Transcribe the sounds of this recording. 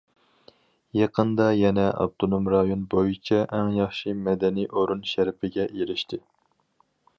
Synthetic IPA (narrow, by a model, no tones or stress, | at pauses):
jɑqʰənd̪ɑjɛnɛʔɑ̰b̚t̪ʰonomɾɑjonbojit͡ʃʰɛʔɛŋjɑχʃimɛd̪ɛnijʔoɾunʃæɾpʰɪɡʲɛʔeɾɪʃt̪ʰɪ